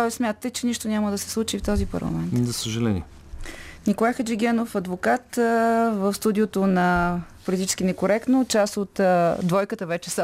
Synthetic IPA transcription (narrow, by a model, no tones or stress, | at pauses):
t̪ɔsmjat̪ət̪ɛt͡ʃɛniʃt̪onʲaməd̪əsɛ̥slˠut͡ʃift̪ɔzipɐ̰ɾlˠɐ̰mɛnt̪zɐsəʒɐlɛnʲiɛ | nikolˠajxəd͡ʒɛɡʲɛnofɐd̪vokat̪vəfst̪ud̪iot̪onɐpolit̪it͡ʃɛ̥skʲinɛkoɾɛkt̪not͡ʃasot̪d̪vɔjkət̪əvɛt͡ʃɛs